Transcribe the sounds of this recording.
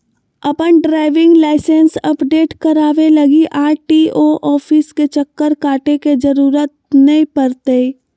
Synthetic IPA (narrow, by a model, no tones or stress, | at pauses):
ɐpənɖɾaːɪʋɪ̃ŋɡlaːɪsẽnsɐpɖeːʈkɐɾaːʋelɐɡiʔaːʈiːoʔɔːpʰɪsket͡ʃəkːəɾkaːʈeked͡ʒəɾuːɾət̪̚nɐĩpəɾt̪e